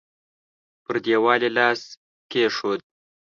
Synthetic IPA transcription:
pəɾd̪jewɑlelɑs | keʂod̪̚

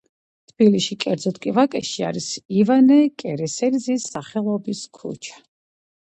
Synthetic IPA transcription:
t̪ʰb̥iliʃikʼɛɾd̪zɔt̪ʰkʼivakʼɛʃia̰ɾisivanɛkʼɛɾɛsɛɾzisːaχɛlˠɔbiskʰṵt͡ʃʰḁ

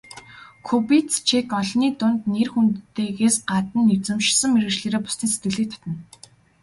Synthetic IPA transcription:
kʰupitt͡st͡ɕʰekɔɮniːt̪ʊnt̪nerxunt̪ːeːɣeːsɢat̪ə̆nːewt͡sɘ̆mʃsə̆mmeɾɘ̆ʃɮeːɾeːpʊ̥st̪iːnset̪ɡɘ̆ɮiːk̚t̪ʰɔ̥t̪ə̆n

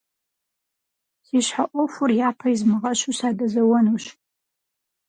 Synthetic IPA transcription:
siɕħaʔʷofʊrjaːpʰɐizmɨʁɐʃusaːdɐzɐwɐnuɕ

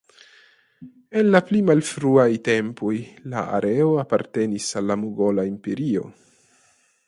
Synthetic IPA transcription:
e̞nlaplimalfɾuajte̞mpojla̰a̰ɾʔeo̞apaɾte̞nisalːamuɡo̞laimpe̞ɾio̞̰

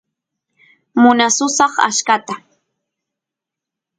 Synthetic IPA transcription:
mʊnasʊsɑχa̰ʃkat̪a

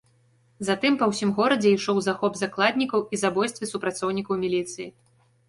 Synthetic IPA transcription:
zat̪ɨmpɐwsʲimɣɔɾɐd͡zʲɛiʂɔwzaxɔbzaklˠad̪ʲnʲikɐwizabɔjst̪vʲisupɾat̪sɔwnʲikɐwmʲilʲit̪sɨji

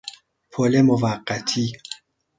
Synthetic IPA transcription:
pʰolemovaɢːæt̪ʰi

